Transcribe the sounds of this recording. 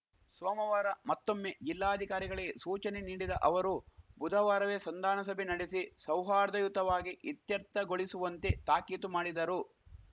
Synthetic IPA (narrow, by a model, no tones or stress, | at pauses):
sʋɔːmɐʋaːɾɐmɐt̪ːomːed͡ʒilːaːɐd̪ʱikaːɾiɡɐɭesuːt͡ʃɐneniːɽid̪ɐʔɐʋɐɾubud̪ʱɐʋaːɾɐʋesɐnd̪aːnɐsɐbʱenɐɽesisɐwɦaːɾd̪ɐjut̪ɐʋaːɡiʔit̪jɐɾt̪ːɐɡoɭisuʋɐnt̪e̞t̪aːkiːt̪umaːɽid̪ɐɾu